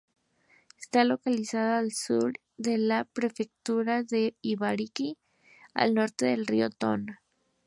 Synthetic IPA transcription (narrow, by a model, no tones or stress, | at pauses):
est̪alo̞kalisaðoːlsṵɾ | ðe̞lapɾe̞fe̞k̚t̪uɾaðe̞iβaɾiki | a̰lno̞ɾt̪e̞ðe̞lriot̪o̞̰na